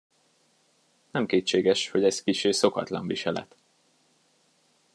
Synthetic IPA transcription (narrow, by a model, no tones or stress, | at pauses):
nɛmkeːt͡ʃːeːɡɛʃho̞ɟɛzkiʃeːso̞kɒt̪lɒ̰ɱviʃɛlɛ̰t̪